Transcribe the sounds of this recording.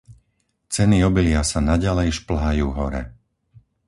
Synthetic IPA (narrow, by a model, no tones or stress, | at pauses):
t͡sɛniɔbilɪasanaɟalɛjʃpl̩ɦajuːɦɔɾɛ̰